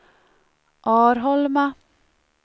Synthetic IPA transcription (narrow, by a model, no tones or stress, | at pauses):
ʔɑːɾɦɔlmɑ